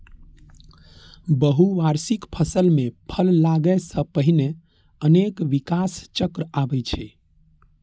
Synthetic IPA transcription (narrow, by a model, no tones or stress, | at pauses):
bəɦuʋaɾsikpʰəsəlmepʰəlːaɡəjsə̃pəɦine | ənekʋikast͡ʃəkɾəabət͡ʃʰɛ